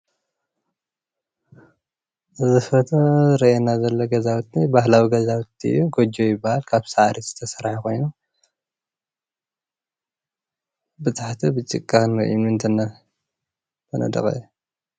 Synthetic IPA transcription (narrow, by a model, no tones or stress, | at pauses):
ʔɨzɨfɐt̪ʰoɨɾɐenazɐlːoɡɐzawt̪nibaɦlawiɡɐzawt̪iɨ̰jːuɡod͡ʒojɪbːahalkʰaβsaʕaɾit̪z̥ɨt̪ʰɐsɐɾaħkʰo̞jnu | bɨt̪ʼaħt̪ʰibɨt͡ʃʼɨkʼːanɐʔjunɨnt̪ʰɐnɐ | bʰɐnɐ̰d̪ɐ̰kʼɐ̰u